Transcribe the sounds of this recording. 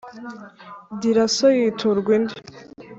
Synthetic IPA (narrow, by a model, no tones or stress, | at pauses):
diɾasojitʰuɾɡwind̪i̥